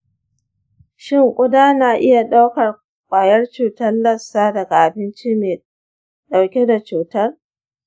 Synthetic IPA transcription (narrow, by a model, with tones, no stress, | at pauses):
ʃɪ˦ŋkʷʼʊ˦daː˦naː˨ʔɪ˦ja˨ɗa˦wkɐ˨r | kʷʼaː˨jɐ˦rt͡ʃuː˨tɐ˦nlɐ˦sːaː˦dɐ˨ɡa˨ʔa˨bɪ˦nt͡ʃi˦meː˨ | ɗa˨wkʲe˦da˨t͡ʃuː˨tɐ˦r